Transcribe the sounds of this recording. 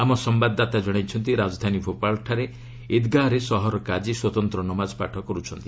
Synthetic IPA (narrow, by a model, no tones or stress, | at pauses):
amɔsɔmbad̪ːat̪ad͡ʒɔɽ̃ajt͡ʃʰɔnt̪iɾad͡ʒɔd̪ʱanibʰʱopalʈʰaɾe | id̪ɡaɾesɔɦɔɾɔkad͡ʒiswɔt̪ɔnt̪ɾɔnɔmad͡ʒɔpaʈʰɔkɔɾut͡ʃʰɔnt̪i